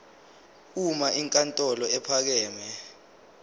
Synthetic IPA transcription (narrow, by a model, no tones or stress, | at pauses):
umaʔiŋkʼantʼɔlɔɛpʰak̬ɛːmɛ